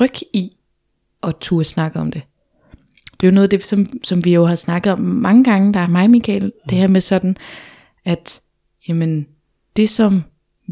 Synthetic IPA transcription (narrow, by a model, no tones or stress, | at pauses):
ʁœɡ̥i | ʔɒ̽t͡sʰuːɐsnɑ̈ɡ̥əɒ̽md̥e̝ | d̥e̝jo̝nɔ̽ːð̩ˠd̥e̝sɒ̽msɒ̽mʋijo̝ɦɑ̈snɑ̈ɡ̥ðˠɒ̽mːɑ̈ŋəɡ̥ɑ̈ŋəd̥ɑ̈æɐmɑ̈ɪmikʰɛ̰ːld̥e̝hæɐ̰mesɒ̽d̥n̩ | æd̥ | jæmən | d̥e̝sɒ̽m